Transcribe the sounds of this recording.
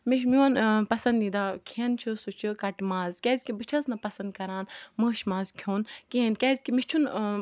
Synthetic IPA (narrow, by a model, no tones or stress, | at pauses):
miʃmiɐnpɐsɐnd̪id̪aːkʰent͡ʃʰɨsut͡ʃʰɨkɐʈmaːzkʲeːzʲkibɨt͡ʃʰɐznɐpɐsɐnd̪̚kɐɾaːnməːʃmaːzkʲʰjoːnkeːnkʲeːzʲkimit͡ʃʰun